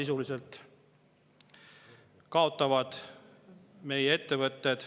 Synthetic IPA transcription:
isuliselt̪ | kɑo̞t̪ːˑɑvɑd̪̥ | me̞jee̞t̪ːe̞vɤt̪ːˑed̪̥

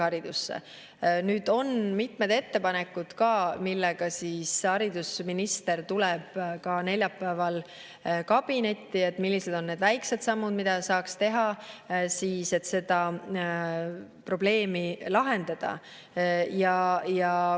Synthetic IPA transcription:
ɑɾid̪̥usːḛ | nyːd̪o̞nmit̪med̪e̞t̪ːe̞pɑne̞kːˑud̪̥kɑːmilːɛɡ̥ɑsiːsɑɾid̪usminist̪e̞rt̪ulɛb̥kɑne̞lʲjɑpːˑæːvɑl | kɑb̥ine̞t̪ːie̞t̪ːmilːise̞d̪̥o̞nːe̞ːd̪væjkse̞d̪sɑmːud̪mid̪̥ɑsɑːkst̪e̞ɦɑsiːse̞t̪se̞d̪̥ɑ | pro̞ble̞ːmilɑɦe̞nd̪̥ɑd̪̥ɑ̰ | jɑjɑ

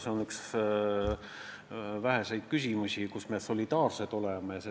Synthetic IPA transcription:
seonyks | væɦese̞jd̪̥̚kysʲimusʲikusme̞so̞lʲid̪̥ɑːrset̪o̞le̞mejɑse

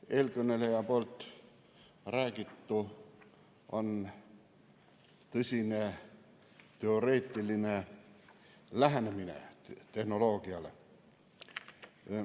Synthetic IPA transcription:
elkønelejɑpolt̪ | ræːkit̪ːu | on | t̪ysine | t̪eoreːt̪ːilːine | læhnæminḛt̪ehnoloːɡ̥iɑlḛ

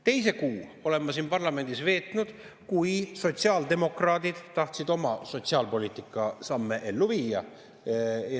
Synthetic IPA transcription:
t̪e̞js̬e̞kuːo̞le̞mːɑsiːnpɑrlɑme̞nd̪̥isve̞ːt̪ˑnud̪̥ | kujso̞t̪siɑːld̪̥e̞mo̞krɑːd̪id̪̥t̪ːɑht̪sid̪o̞mɑso̞t̪ʲsiɑːlpo̞lʲiːt̪ikːˑɑsɑmːe̞ʔe̞lːuviːɑ

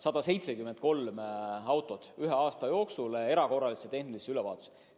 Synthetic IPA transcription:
sɑd̪ɑse̞jt̪sekymend̪̥̚ko̞lmɑwt̪ːˑo̞d̪̥yɦe̞ɑːst̪ɑjo̞ːksule̞ɾɑko̞rːɑliset̪e̞hnliseylɛvɑ̰ːt̪ˑu̥se̥

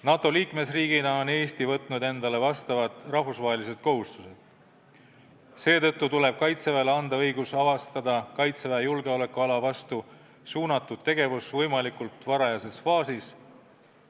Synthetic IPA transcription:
nɑt̪ˑo̞liːkme̞sriːɡ̥inɑo̞ne̞ːst̪ivɤt̪ˑnud̪e̞nd̪ɑle̞vɑst̪ɑvɑd̪ˑrɑhvusvɑɦe̞lise̞d̪̥̚ko̞ɦust̪use̞d̪̥ | se̞ːt̪ɤ̞t̪ːut̪ule̞b̥̚kɑjt̪sevɑleɑnd̪ɑɤjɡusɑvɑst̪ɑd̪̥ɑkɑjt̪sevejulɡe̞o̞le̞kːuɑlɑvɑst̪u | suːnɑt̪ːˑud̪̥̚t̪ːe̞ɡe̞vusvɤjmɑlikult̪ˑvɑɾɑjɑse̞sfɑːsis

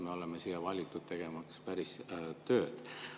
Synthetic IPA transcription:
me̞o̞lemesijɑvɑlʲit̪ːud̪̥̚t̪e̞ɡ̥e̞mɑkspæɾist̪ø̞ːd̪̥

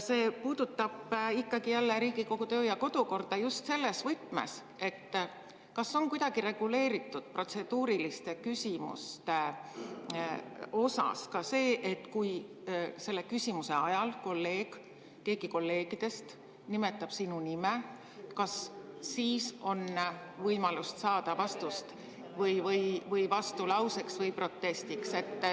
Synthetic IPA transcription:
se̞ːpuːd̪̥ut̪ːɑb̥ikˑːɑɡ̥ijælːeɾiːɡ̥iko̞ɡ̥ut̪øːjɑko̞d̪̥uko̞rd̪ɑjust̪se̞lːe̞svɨt̪ˑme̞̰s | e̞t̪ː | kɑso̞ŋkujd̪ɑɡ̥iɾe̞ɡ̥ule̞ːɾit̪ːˑud̪̥pro̞t̪se̞d̪̥uːɾilist̪e̞kysʲimṵst̪e | o̞sɑ̰skɑse̞ːʔe̞t̪ːˑkuj | se̞lːe̞kysʲimuse̞ɑjɑlko̞lːe̞ːɡ̥ | ke̞ːɡ̥iko̞lːe̞ːɡ̥id̪̥e̞st̪ | nime̞t̪ːˑɑb̥sinunime | kɑsːiːso̞nvɤjmɑlust̪sɑːd̪̥ɑvɑst̪ust̪ | vɤjvɤjvɤjvɑst̪ulɑwse̞ksvɤjpro̞t̪ːe̞st̪ikse̞t̪ː

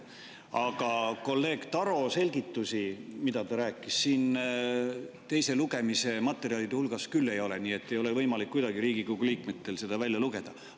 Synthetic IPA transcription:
ɑɡ̥ɑko̞lːe̞ːɡ̥t̪ɑɾo̞se̞lʲɡit̪ːˑusimid̪̥ɑt̪ɑɾæːkːˑisːiːn | t̪e̞jse̞luɡ̥e̞mise̞mɑt̪ːˑe̞ɾiɑlid̪̥eulɡ̥ɑskylːe̞jo̞le̞niːe̞t̪ːe̞jo̞le̞vɤ̞jmɑlikːujd̪ɑɡiɾiːɡ̥ikoɡuliːkmet̪ːe̞lse̞d̪̥ɑvælʲjɑluɡ̥e̞d̪̥ɑ

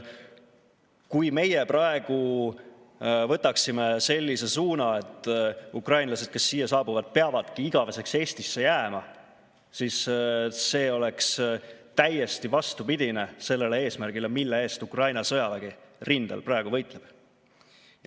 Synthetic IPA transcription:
kujme̞jeprɑe̞ɡ̥u | vɤt̪ːˑɑksime̞se̞lʲːise̞suːnɑe̞t̪ːˑukrɑjnlɑse̞d̪̥̚ke̞sːiːjɑsɑːbuvɑd̪̥̚peɑvɑd̪̥kiiɡ̥ɑve̞se̞kse̞ːst̪isːe̞jæːmɑ | sisː | e̞ːo̞le̞kst̪æje̞st̪ivɑst̪upid̪̥ʲine̞se̞lːe̞lee̞ːsmæɾrɡ̥ile̞milːee̞ːst̪ukrɑjnɑsɤjɑvæɡ̥irind̪̥ɑ̰lprɑeɡ̥uvɤ̞jt̪ˑleb̥

